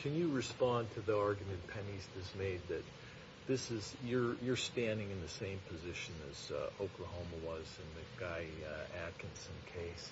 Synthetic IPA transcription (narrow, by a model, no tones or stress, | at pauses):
kʰɨ̃njɨɹɨspɑ̃ntʰɨðiɑɹɡjɨmɨ̃npʰɛnizdɨsmeɪd̪̚ðɨt̚ | ðɪsɨzjə˞jə˞stæ̃ndɪ̃ŋɨ̃nðɨsẽɪ̃mpʰɨzɪʃɨ̃nɨ̰z̥oʊkʰləhõʊ̃məwʌzɨ̃nðɨɡ̥aɪækɨ̃nsɨ̃nkʰeɪs